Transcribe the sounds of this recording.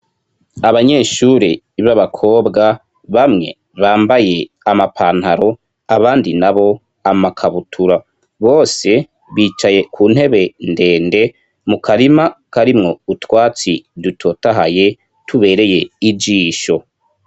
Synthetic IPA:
aβaɲe̞ʃuːɾe | βaβakʰo̞ːbɡa | βamŋe̞̰ | βaːmbaje̞ | amapʰaːn̥haɾo̞ | aβaːndinaβo̞ | amakʰaβutʰuɾa | βo̞ːse̞ | βiːt͡ʃaje̞kʰuːn̥he̞βe̞nde̞ːnde̞ | mukʰaɾimakaɾimŋo̞utwaːt͡sidutʰo̞taɦaje̞ | tʰuβe̞ːɾe̞je̞id͡ʒiːʃo̞

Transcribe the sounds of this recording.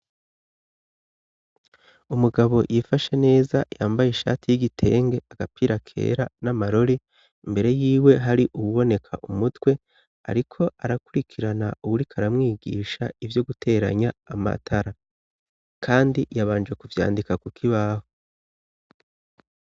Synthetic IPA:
umuɡaβo̞jʔifaʃe̞ne̞ːzajaːmbajeʃa̰ːtʰijiɡitʰe̞ːŋɡe̞aɡ̥apiːɾakʰe̞̰ːɾanamaɾo̞ɾi | imbe̞ɾe̞jiːwe̞ɦaɾiʔuβuβo̞ne̞kʰa̰ʔumutwe̞ | a̰ɾikʰo̞aɾakuɾikʰiɾanauwuɾikʰaɾamŋiːɡḭːʃa̰ivjo̞ɡutʰe̞ɾa̰ɲaːma̰tʰaɾa | kʰaːndijaβaːnd͡ʒwe̞kuvja̰ːndikakukʰiβaːho

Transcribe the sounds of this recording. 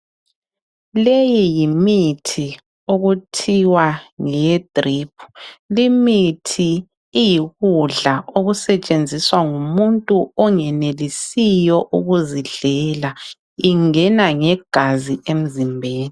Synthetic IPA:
lejijimitʰi | oɣutʰiwaŋɛd̥ʼriːpʰu̥limitʰiː | jiɣuɮaoɣusɛt͡ʃʼend͡zʱiswaŋumuntʼuɔŋɛnelisijɔʔuɣuziɮɛla | iŋɛnaŋɛɡ̥ʱaziem̩zimbʱeːni

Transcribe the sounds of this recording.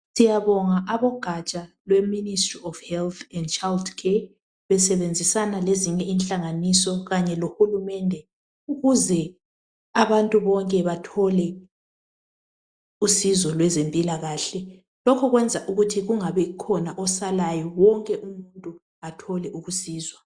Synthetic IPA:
sijaβɔŋaʔaβɔɡ̥ʱat͡ʃʼalwɛministʼriɔfhɛlt̪ʰɛndt͡ʃʼaldkʰɛ | βɛsɛβend͡zʱisanaleziɲɛinɬʼaŋanisɔɣaɲɛlohulumɛndʱɛ | uɣuzɛ | aβantʼuβɔŋkʼɛβatʰɔlɛ | usizɔlwɛzempʼilaɣaːɬɛ | lɔkʰɔɣwɛnd͡zʱaʔuɣutʰiɣuŋaβɛikʰɔnaʔɔsalajɔwɔŋkʼɛʔumuntʼu | atʰɔlɛʔuɣusiːzwa

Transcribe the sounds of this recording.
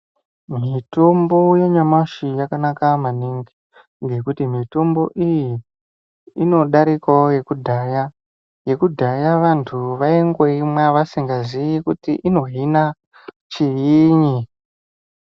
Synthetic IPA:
mitombo̞je̞ɲamaʃijakanakamaniŋɡi | ŋɡe̞kutimito̞mbo̞̰ʔijiː | no̞ɗaɾikaje̞kudʱaja | je̞kudʱajaʋantʰuʋaeŋɡweimwaʋasiŋɡazijikutiʔino̞ɦina | t͡ʃijiːɲi

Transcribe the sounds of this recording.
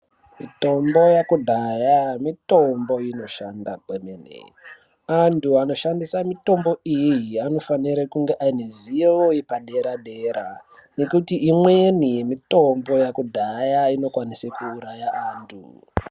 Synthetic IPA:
mito̞mbo̞jakudʱajamito̞mbo̞ino̞ʃandakemenḛ | antʰuano̞ʃandisamito̞mbo̞ijiano̞faniɾakuŋɡe̞ʔainezijeoipaɗe̞ɾaɗe̞ːɾa | ne̞kutiʔːmwenimito̞mbo̞jakudʱajaino̞kwanisekuːɾajaʔaːntʰṵ

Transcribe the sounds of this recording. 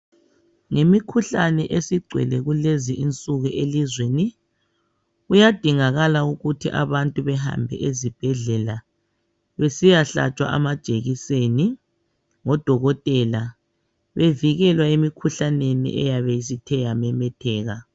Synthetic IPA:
ŋemikʰuɬanɛʔesiɡ͡ǀʱwɛ̰lɛɣuleziʔint͡sʼuɣuʔelizweni | ujad̥ʱiŋaɣalauɣutʰiʔa̰βantʼuβɛha̰mbʱɛ̰ʔezib̥ʱɛɮɛla | βesijaɬa̰t͡ʃʼwa̰ʔa̰mad̥ʒ̥ʼʱeɣiseni | ŋɔd̥ʱɔɣɔtʼɛla | βeviɣɛlwaemikʰuɬanenḭʔɛ̰jaβejisitʰɛjamɛmɛtʰɛːɣa

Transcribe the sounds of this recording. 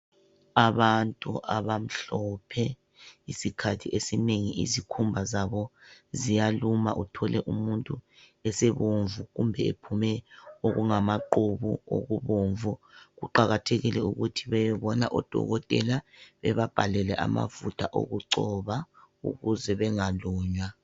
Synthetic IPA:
aβantʼṵʔaβam̩ɬɔpʰɛ | isikʰatʰiʔesineŋiʔḭzikʰumbʱazaβɔzijaluma̰ʔutʰɔlɛʔumuntʼu | ɛseβoɱvuɣumbʱɛepʰumɛoɣuŋamaǃuβuo̰ɣuβoːɱvuɣuǃaɣatʰeɣilɛuɣutʰiβɛjɛβɔna̰ʔɔd̥ʱɔ̰ɣɔtʼɛ̰laβɛβab̥ʱalɛlɛʔa̰ma̰vutʰaʔo̰ɣuǀɔβa | ṵɣuzɛβɛŋaluːɲwa

